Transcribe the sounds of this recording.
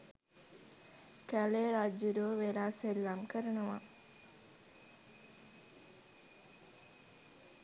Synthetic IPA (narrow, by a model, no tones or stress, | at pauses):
kæleɾad͡ʒud̪oʋelaːselːamkəɾənəʋa̰